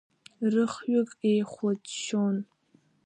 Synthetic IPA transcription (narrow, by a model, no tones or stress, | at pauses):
rɨχɥʊkʼejχʷatʃon